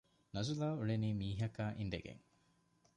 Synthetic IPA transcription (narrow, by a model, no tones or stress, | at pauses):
nɐzulaːuɭeniːmiːɦɐkaːʔind̪eɡḛŋ